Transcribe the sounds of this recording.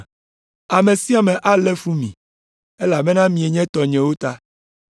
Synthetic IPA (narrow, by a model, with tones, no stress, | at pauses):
a˨mẽ˨si˦a˨mɛ̃˨ʔa˦lɛ˦fu˦mĩ˨ | e˦la˨bɛ˦nã˦mĩ˨e˨ɲɛ̃˦t̪ɔ˨ɲɛ̃˨wo˦t̪a˦